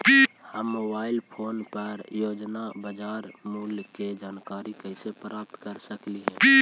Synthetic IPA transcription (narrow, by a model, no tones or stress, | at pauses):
həmːobaːɪlpʰoːnpəɾjoːd͡ʒnabəd͡ʒaɾmulked͡ʒaːnkaɾikəɪsepɾaːp̚t̪kəɾsəkliɦɛ̃ː